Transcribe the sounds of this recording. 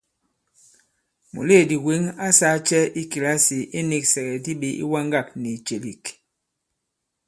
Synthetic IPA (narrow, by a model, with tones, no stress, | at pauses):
mṵ˨le˦˨di˨wi˨˦ŋa˦sa˦t͡ʃɛ˦i˦ki˨la˦si˨ʔe˦ni˦k̚sɛ˨ɡɛ˨di˦ɓi˦ḭ˦wa˦ŋɡa˦˨k̚ni˨t͡ʃe˨li˨k